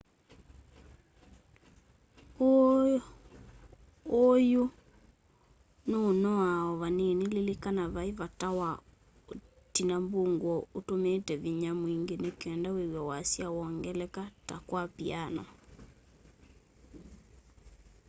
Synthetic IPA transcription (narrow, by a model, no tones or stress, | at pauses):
o | ojo | noːnɔaɔβanenelelekanaβaeβatawa | o | tinamboŋɡwɔotomeːtɛβiɲamwiŋɡenekɛndaweɣwɛwasjawɔŋɡɛlɛkata̰kwapianɔ